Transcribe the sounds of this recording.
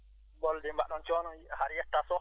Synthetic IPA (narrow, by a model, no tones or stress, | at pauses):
bɔldɛmbaʔɗɔnt͡ʃɔnɔŋhaɾjɛtːasɔ